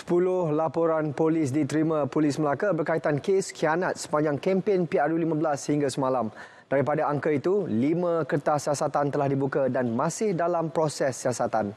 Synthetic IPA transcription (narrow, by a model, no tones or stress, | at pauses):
sə̥pulʊhlapoɾanpolɪs̬dit̪ɾimãpolɪsməlakabərkait̪ankeskʰianat̪̚sə̥paɲd͡ʒaŋkɛmpenpiaɾulimãbəlashiŋɡasəmãlam | d̥aɾipadaaŋkəit̪ulimãkərt̪ahsiasat̪ant̪əlahdibukadanmãsɪhdalampɾosɛsːiasat̪an